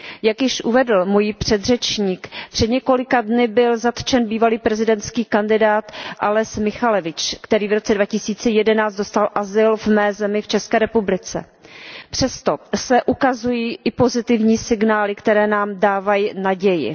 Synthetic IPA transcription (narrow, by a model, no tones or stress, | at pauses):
jakjɪʃʔuvɛdl̩mujipr̝̥ɛd̪r̝ɛt͡ʃɲiːkpr̝̥ɛd̪ɲɛko̞lɪkadnɪbɪlzat̪t͡ʃɛnbiːvaliːpɾɛzɪdɛnt̪t͡skiːkandɪdaːt̪ʔalɛsmɪxalɛvɪt͡ʃkt̪ɛɾiːvɾo̞t͡sɛdvacɪsiːt͡sɛjɛdɛnaːt͡st̪do̞st̪alʔazɪlvmɛːzɛmɪft͡ʃɛskɛːɾɛpublɪt͡sɛ̰ | pr̝̥ɛst̪o̞sɛʔukazujiːʔɪpo̞zɪt̪ɪvɲiːsɪɡnaːlɪkt̪ɛɾɛːnaːmdaːvajinaɟɛjɪ̰